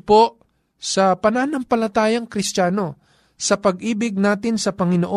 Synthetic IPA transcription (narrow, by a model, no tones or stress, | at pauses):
poʔ | sɐpɐnanɐmpɐlɐt̪aːjɐŋkɾɪst̪aːno̞ | sɐpɐɡ̚ʔiːbɪɡ̚naːt̪ɪnsɐpɐŋɪnoʔo